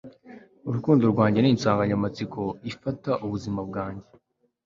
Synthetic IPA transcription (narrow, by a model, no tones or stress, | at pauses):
uɾukuːndoɾɡwaːɲɟe̞niːnsaːŋɡaɲamat͡sikʰo̞ifataʔuβuzimab̚ɡaːɲɟe